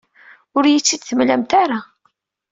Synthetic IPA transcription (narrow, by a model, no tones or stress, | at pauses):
ʊɾjət͡sːid̪θəmlæmt̪aɾa